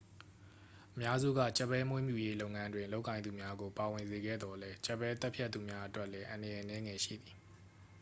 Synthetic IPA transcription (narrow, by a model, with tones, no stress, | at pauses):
ʔəmja˦zṵ˦˨ɡä̰˦˨t͡ɕɛ˦˨pːɛ˦mwɪ̃˦˨mjṵ˦˨je˦lo˦ʊŋã˦ndwɪ̃˨nlo˦ʊʔkːã˨ɪ̃nd̪u˨mja˦ɡo˨pa˨wɪ̃˨nze˨ɡɛ̰˦˨d̪ɔ˨lɛ˦t͡ɕɛ˦pːɛ˦t̪ɛ˦pʰja˦t̪ːṵ˨mja˦ʔə˦twɛ˦ʔlɛ˦ʔã˨ndə˨jɛ˨ʔənɛ˦ŋɛ˨ʃḭ˦˨d̪i˨